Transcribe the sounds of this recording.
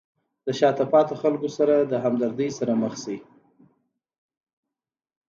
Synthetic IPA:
d̪əʃɑt̪apɑt̪axalkosaɾad̪əɦamd̪aɾd̪əjsaɾaməxsi

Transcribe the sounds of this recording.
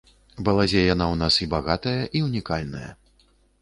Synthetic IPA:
bɐlˠazʲɛjanawn̪asibaɣat̪ɐjɐʔiunʲikalʲnɐ̰jɐ̰

